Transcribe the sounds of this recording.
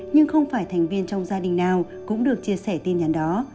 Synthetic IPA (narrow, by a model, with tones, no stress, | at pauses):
ɲɨ˧ŋxə˧wŋ͡mfaː˧˩jt̪ʰɛ˨˩ŋ̟vi˧ənt͡ɕɔ˧wŋ͡mzaː˧ɗï˨˩ŋ̟naː˨˩w | kʊ̰˧˥ŋ͡mɗɨ˨˩ək̚t͡ɕi˧əsɛ˧˩t̪i˧nɲa˨˩˦nɗɔ˨˦